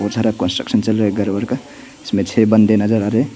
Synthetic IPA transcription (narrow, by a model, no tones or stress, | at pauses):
ot̪ʰaɾakɔnsʈɾəksənt͡ʃəlɾeɡəɾbəɾkə | ɪsmet͡ʃʰebənd̪enəd͡ʒəɾaɾe